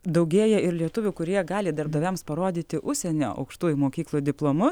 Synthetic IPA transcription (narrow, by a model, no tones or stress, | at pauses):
d̪ɐʊɡʲeːjɛɪɾlʲiɛt̪ʊʋʲʊkʊɾʲiɛɡɑːlʲɪd̪ɐɾb̚d̪ɐʋʲɛmspɐɾoːd̪ʲiːt̪ʲɪʔʊʃʲsʲɛnʲo̰ːʔɐ̰ʊkʃt̪uːjʊmoːkʲiːklˠod̪ʲɪplˠoːmʊ